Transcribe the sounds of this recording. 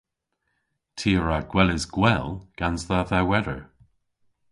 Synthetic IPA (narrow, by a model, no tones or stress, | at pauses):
tʰiːəɹaɡ̥wɛlɪzɡwɛlɡ̥anzðaðawɛɾə̰ɹ